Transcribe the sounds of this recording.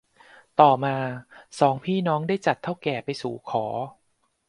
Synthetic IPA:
t̪ɔː˨˩maː˧sɔː˩˦ŋpʰiː˥˩nɔː˦˥ŋda˥˩jt͡ɕa˨˩t̪ʰːa˥˩wkɛː˨˩pa˧jsuː˨˩˦kʰɔː˩˦

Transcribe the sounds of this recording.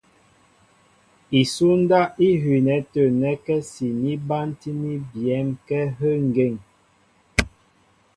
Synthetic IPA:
i˨su˦n˦da˦i˦ɦɥi˨nɛ˨˦tə˨nɛ˨˦kɛ˦si˨ni˦ba˦nti˦ni˦bjɛ˨˦mkɛ˦ɦə˦ŋ˨ɡe˦˨ŋ

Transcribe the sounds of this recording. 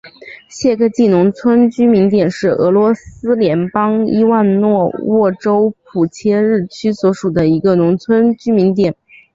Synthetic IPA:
ɕjɛ˥˧kə˥˧t͡ɕi˥˩nʊ˧˥ŋt͡sʰwə˥nt͡ɕy˥mi˧˥nt̪jɛ˨˩nʂɻ̩˥˩ɤ̰˧˥lwɔ˧˥sɹ̩˥ljɛ˧˥npɑ˥ŋi˥wa˥˧nnwɔ˥˧wɔ˥˩ʈ͡ʂo˥ʊpʰu˨˩t͡ɕʰjɛ˥ɻɻ̩˥˩t͡ɕʰy˥swɔ˧˥ʂu˨˩d̪ə˦i˧˥ɡə˧nʊ˧˥ŋt͡sʰwə˥nt͡ɕy˥mi˧˥nt̪jɛ˨˩˦n

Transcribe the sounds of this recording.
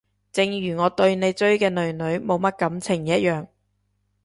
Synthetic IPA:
t͡sɪ˨ŋjyː˨˩ŋɔː˨˧t̪ɵ˧ɥne˨˧jt͡ʃɵ˥ɥkɛː˧nɵ˨ɥnɵ˨˧˥ɥmo˨˧wmɐ˥t̚kɐ˨˥mt͡sʰɪ˨˩ŋjɐ˥t̚jœː˨ŋ

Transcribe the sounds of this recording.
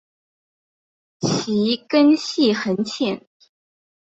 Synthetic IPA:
t͡ɕʰi˧˥kə˥nɕi˥˩xə˧˥nt͡ɕʰjɛ˥˩˦n

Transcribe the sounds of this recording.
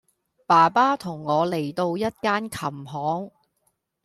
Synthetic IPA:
paː˨˩paː˥t̪ʰʊ˨˩ŋːɔː˨˧le˨˩jt̪o˧wjɐ˥t̚kaː˥nkʰɐ˨˩mɦɔː˨˥ŋ

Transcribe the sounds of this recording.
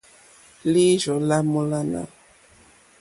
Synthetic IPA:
li˦ʒɔ˨la˦mu˦la˦na̰˦

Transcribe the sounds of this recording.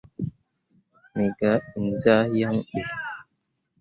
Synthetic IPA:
mi˨ɡa˦i˨n˨za˦ja˦ŋɗe˨

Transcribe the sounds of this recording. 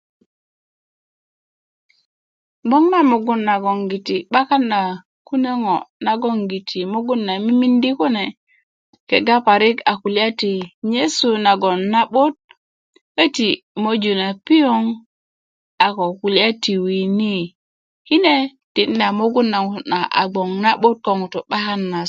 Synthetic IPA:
bo˦ŋma˦mu˨ɡu˦nːa˨ɡo˨ŋɡi˨ti˨ɓa˦ka˦na˨ | ku˦ne˦ŋo̰˨na˨ɡo˦ŋɡi˨tʰi˨mo˦ɡu˦nːa˨mi˦mi˦ndi˦ku˦ne˨ | ke˨ɡa˦pa˨ɾi˦ka˨ku˨lja˦ti˨ɲe˦su˦na˨ɡo˨nːa˦ɓo˦t̚ | we˦ti˨ | mo˦d͡ʒu˨na˨pi˦jo˦ŋ | a˨ko˨ku˨li˦a˦ti˨wi˨ni˦ | hi˦ne˦ | ti˨nː˦a˨mo˦ɡu˦nːa˨u˦na˨ʔa̰˨ɡ͡bo˨ŋna˦ɓo˦t̚ko˦˨ŋu˨to˨ɓa˦ka˦nːa˨

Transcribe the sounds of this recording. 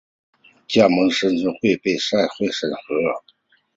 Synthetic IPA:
t͡ɕja˥˩mɤ˧˥ŋʂə˥nʈ͡ʂɤ˥ŋxwe˥˧ɪpe˥˧ɪʂa˥˧ɪxwe˥˩ɪʂə˨˩nxɤ˧˥ə˨˩

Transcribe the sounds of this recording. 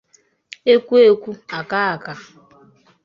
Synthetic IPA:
e˦kʷu˦e˦kʷu˦a˨ka˦a˨ka˨

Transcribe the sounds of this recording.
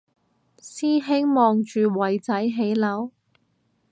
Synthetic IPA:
siː˥ɦe˥ŋmɔː˨˧ŋt͡ʃyː˨wɐ˨jt͡sɐ˨˥jɦe˨˥jlɐ˨˥w

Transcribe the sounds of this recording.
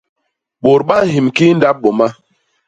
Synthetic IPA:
ɓo˨ɾɓa˦hi˨mki˦n˦da˦p̚ɓo˨ma˦

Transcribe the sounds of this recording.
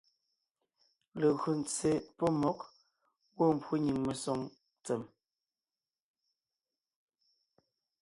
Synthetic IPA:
le˨ɣɰo˨n̩t͡se˨pɔ˦mɔ˨˦k̚ | wo˦˨m̩˨pwu˦ɲi˨ŋme˨sɔ˦ŋ | t͡se˨m

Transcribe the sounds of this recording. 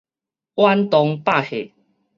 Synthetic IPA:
wa˦nt̪ɔ˧ŋpa˥˨he˨

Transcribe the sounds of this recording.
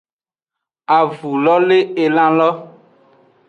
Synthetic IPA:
a˨vu˨lɔ˦le˦e˨lã˦lɔ˦

